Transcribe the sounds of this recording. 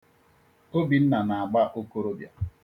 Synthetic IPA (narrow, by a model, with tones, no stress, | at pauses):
o˦bi˨n̩˦na˨na˨a˨ɡ͡ba˦ʔo˦ko˦ɾo˦bja̰˨